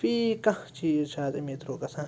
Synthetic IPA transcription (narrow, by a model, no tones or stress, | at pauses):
fikãt͡ʃit͡ʃat͡semĩt̪ɾokasã